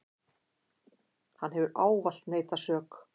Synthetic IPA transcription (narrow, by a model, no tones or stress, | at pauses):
hanːɦɛvʏɾʔaːwval̥t̪neːjt̪asœːk